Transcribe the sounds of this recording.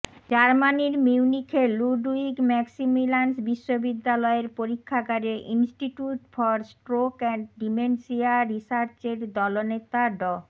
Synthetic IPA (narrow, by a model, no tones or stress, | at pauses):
d͡ʑaɾmaniɾmiwnikʰeluɖuiɡmɛksimilansbiʃːobid̪ːalɔeɾpoɾikʰːaɡaɾeʔinsʈiʈuʈfɔɾsʈɾokɛɳɖimensiaɾisaɾt͡ɕeɖd̪ɔlonet̪aɖɔ